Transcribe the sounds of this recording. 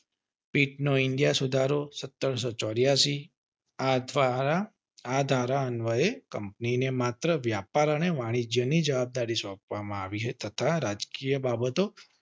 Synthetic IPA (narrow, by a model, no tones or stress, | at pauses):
piʈnoɪɳɖijasud̪ʱaɾosət̪ːəɾsɔt͡ʃɔɾjasi | aaa | ad̪ʱaɾaənʋəekəmpninemat̪ɾəʋjapaɾəneʋaɽ̃id͡ʒjənid͡ʒəʋab̚d̪aɾisɔ̃k̚ʋamãaʋiɦet̪ət̪ʰaɾad͡ʒkijəbabət̪o